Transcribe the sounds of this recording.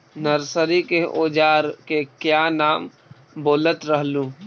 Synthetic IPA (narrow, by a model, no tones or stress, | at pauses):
nəɾsəɾikeʔoːd͡ʒaːɾkekjaːnaːm | boːlət̪ɾəɦlũː